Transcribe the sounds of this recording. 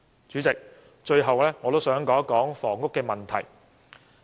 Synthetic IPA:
t͡ʃyː˨˥t͡sɪ˨k̚ | t͡ʃɵ˧ɥɦɐ˨wlɛː˥ŋɔː˨˧t̪o˥wsœː˨˥ŋkɔː˨˥kɔː˨˥ŋfɔː˨˩ŋːʊ˥kːɛː˧mɐ˨˩nt̪ʰɐ˨˩j

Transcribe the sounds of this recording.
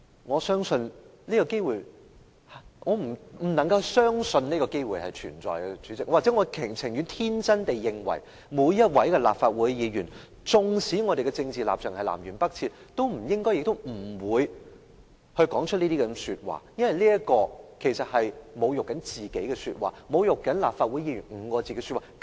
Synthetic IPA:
ŋɔː˨˧sœː˥ŋsɵ˧nliː˥kɔ˧ke˥jwuː˨j | ŋɔː˨˧m̩˨˩m̩˨˩nɐ˨˩ŋkɐ˧wsœː˥ŋsɵ˧nniː˥kɔː˧ke˥jwuː˨˩jhɐ˨jt͡ʃʰy̰ː˨˩nt͡sɔ̰ː˨˩jɡɛ˧t͡ʃyː˨˥t͡sɪ˨k̚ːwːk̚t͡sɛ˨˦˥ŋɔː˨˧kʰɪ˨˩ŋt͡sʰɪ˨˩ŋjy˨˧nt̪ʰiː˥nt͡sɐ˥nt̪e˨jːɪ˨ŋwɐ̰˨˩j | muː˨˧jjɐ˥t̚wɐ˨˥jkɛ˧la̰ː˨p̚faː˧t̚wu˨˥jjiː˨˧ɥyː˨˩n | t͡sʊ˨˧ŋsiː˨˥ŋɔː˨˧ɾe˨jɡɛ˧t͡sɪ˧ŋt͡siː˨la̰ː˨p̚t͡sʰœː˨ŋhɐ˨jla̰ː˨˩mjyː˨˩npɐ˥k̚t͡sʰiː˧t̚t̪o˥wm̩˨˩jɪ˥ŋkɔː˥jɪ˨k̚t̪o˥wm̩˨˩wuː˨˧j | hɵ˧kɔː˨˥ŋt͡ʃʰɵ˥t̚liː˥t̪iː˥kɛ˨˧syː˧t̚wa̰ː˨jɐ˥nwɐ˨jliː˥jɐ˥tkɔː˧kʰe˨˩jsɐ˨t̚hɐ˨jmo˨˧wjʊ˨kːɐ˨˥nt͡siː˨˩ke˨˥jkɛ˧sy̰ː˧t̚waː˨˩mo˨˧wjʊ˨kːɐ˨˥nlaː˨p̚faː˧t̚wu˨˥jiː˧ɥyː˨˩nŋ̩˨˧˥kɔː˧t͡siː˨˩kɡɛ˧˥sy˧t̚waː˨˩

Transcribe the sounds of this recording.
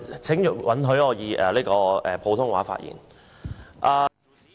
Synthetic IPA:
t͡sʰɪ˨˥ŋjy˨wɐ˨˥nɦɵ˨˥ɥɔː˨˧jiː˨˧ʔɛ̰ː˨liː˥kɔː˧ʔɛː˨˩pʰo˨˧wt̪ʰʊ˥ŋwaː˨˥fa̰ː˧t̚jḭː˨˩n | ʔaː˨

